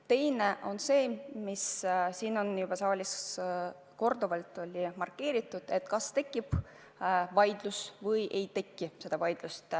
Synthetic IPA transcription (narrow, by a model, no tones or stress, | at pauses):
t̪e̞jneʔo̞nse̞ːmissiːno̞njub̥ɑsɑːlʲis | ko̞rd̪̥uvɑlt̪ːˑo̞lʲimɑrkːe̞ːɾit̪ːˑud̪̥e̞t̪kɑst̪e̞kˑːib̥ | vɑjd̪̥lusvɤjʔe̞jt̪e̞kːise̞d̪̥ɑvɑjd̪̥lust̪